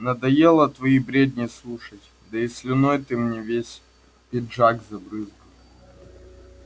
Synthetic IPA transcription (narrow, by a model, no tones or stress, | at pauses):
nɐd̪ɐjelˠɐt̪vɐibɾʲed̪ʲnʲɪjslˠuʂɐtʲ | d̪ɐɪsʲlʲɪnojt̪ɨmnʲevʲesʲ | pʲɪdʐaɡzɐbɾɨzɡə